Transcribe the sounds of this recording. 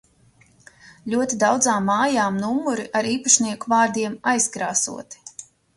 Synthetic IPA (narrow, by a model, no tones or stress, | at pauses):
lʲuɔt̪id̪awd̪zaːmːɑːjaːmnuumːuɾiʔaɾiːpaʃnʲiɛkuvaːɾd̪iɛmajskɾaːsṵɔt̪i̥